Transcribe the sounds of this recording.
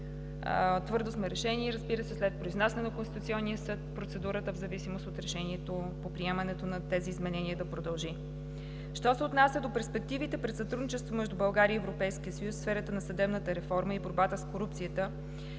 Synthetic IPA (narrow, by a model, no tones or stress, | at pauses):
t̪vɤɾd̪osmɛɾɛʃɛniɛɾəzbiɾəsɛslɛt̪̚pɾoiznasnnɐkonst̪i̥t̪ut̪sʲiɔnːiəsɤt̪̚pɾot̪sɛd̪uɾət̪əvzɐvisimost̪ot̪ɾɛʃɛniɛt̪o | popɾiɛmɐnɛt̪onɐt̪ɛziːzmɛnɛniəd̪ɐpɾod̪ɐlˠʒi | ʃt̪ɔsɛʊt̪nasʲjəd̪opɛɾspɛk̚t̪ivit̪ɛpɾɛt̪sɐt̪ɾud̪nit͡ʃɛst̪vomɛʒd̪ubɐlˠɡaɾiːɛvɾopɛjskiəsəjusfsfɛɾət̪ənɐsɐd̪ɛbnət̪əɾɛfɔɾməiboɾbat̪əskoɾupt̪sijət̪ə